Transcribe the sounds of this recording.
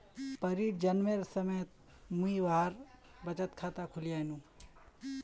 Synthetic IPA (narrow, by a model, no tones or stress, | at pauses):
pəɾid͡ʒənmeɾsəmejət̪̚ | muiʋaːɾbət͡ʃət̪kʰat̪akʰʊlijajnũ